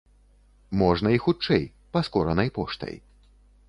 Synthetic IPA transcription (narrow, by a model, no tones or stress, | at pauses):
mɔʐnɐixut͡ʂɛj | paskɔɾɐnɐjpɔʂt̪ɐ̰j